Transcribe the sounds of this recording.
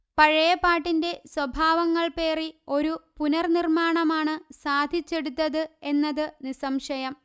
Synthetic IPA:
pɐɻɐjɐpːaːʈːinde̞swɐbʱaːʋɐŋːɐɭpe̞ːrio̞ɾupunɐrnirmaːɳɐmaːɳɨsaːd̪ʱit͡ɕːe̞ɽut̪̬ːɐðɨe̞nːɐðɨnisɐmʂɐjɐm

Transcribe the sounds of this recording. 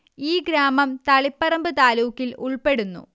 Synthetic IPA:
iːɡɾaːmɐmt̪ɐɭipːɐrɐmbɨt̪aːluːkːiluɭpe̞ɽunːṵ

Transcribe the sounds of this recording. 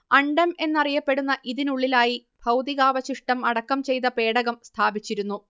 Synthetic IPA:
ɐɳɖɐme̞nːɐrijɐpːe̞ɽunːɐʔiðinuɭːilaːjib̥ʱɐwd̪iɣaːʋɐɕiʂʈɐmɐɽɐkːɐmt͡ɕe̞jt̪ɐpe̞ːɽɐɣɐmst̪ʰaːbit͡ɕːiɾunːu

